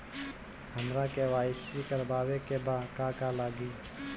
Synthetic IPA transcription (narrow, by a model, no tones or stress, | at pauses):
həmɾakeʋaːɪsɾikəɾbaːwekebaːkaːkaːlaːɡiː